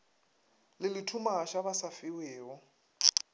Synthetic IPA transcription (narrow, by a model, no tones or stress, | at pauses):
lɪlɪtʰumaʃaβasafɪwɛːɔ